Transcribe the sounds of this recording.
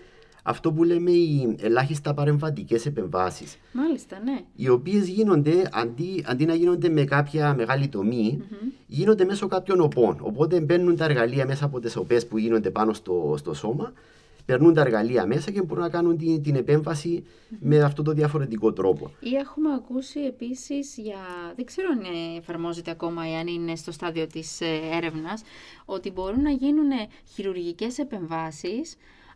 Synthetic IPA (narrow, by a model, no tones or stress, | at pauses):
ɐ̰ft̪o̞p̬ule̞me̞ielaçist̪ɐpɐɾe̞ɱvɐt̪ice̞se̞pe̞ɱvɐ̰sḭs | malist̪ɐneio̞pie̞zʝino̞nd̪e̞ɐ̰nd̪iɐ̰nd̪inɐʝino̞nd̪e̞me̞kapçɐme̞ɣalit̪o̞mi | ʝinond̪e̞me̞so̞kapço̞no̞po̞no̞̰po̞t̪̬e̞mbe̞ɾnunt̪ɐe̞ɾɣɐliɐme̞sɐːpo̞t̪e̞so̞pe̞spuʝino̞nd̪e̞pano̞st̪ost̪o̞so̞mɐ | pe̞ɾnunt̪ɐeɾɣɐliɐme̞sɐcemboɾunɐkɐnunt̪it̪ine̞pe̞ɱvɐsi | me̞ɐft̪ot̪oðiɐfo̞ɾe̞t̪iko̞t̪ɾo̞po̞̰ie̞xumeɐkusie̞pisizʝɐðe̞ɡze̞ɾoneːfɐɾmo̞ze̞t̪e̞ɐko̞mɐeɐnine̞st̪o̞st̪ɐðio̞t̪ise̞ɾe̞vnɐso̞t̪ibo̞ɾunːɐʝinune | çiɾuɾʝice̞se̞pe̞ɱvɐsis